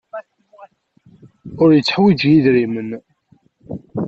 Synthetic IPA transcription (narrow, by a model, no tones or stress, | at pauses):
ʊɾjət͡sːħwid͡ʒjiðɾimən